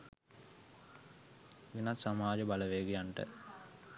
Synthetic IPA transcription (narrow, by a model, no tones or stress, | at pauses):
inat̪samaːd͡ʒəbaləʋeːɡijaɳʈə̰